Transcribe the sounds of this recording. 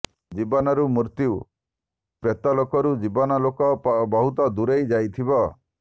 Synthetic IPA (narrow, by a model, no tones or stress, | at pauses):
d͡ʒibɔnɔɾumuɾt̪iu | pɾet̪ɔlokɔɾud͡ʒibɔnɔlokɔbɔɦut̪ɔd̪uɾejd͡ʒajt̪ʰibɔ